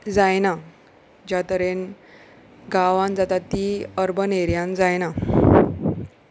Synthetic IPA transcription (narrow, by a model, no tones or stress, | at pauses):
d͡zajna | d͡ʑjat̪əɾen | ɡaʋãnd͡zat̪at̪iəɾbəneɾjãnd͡zajna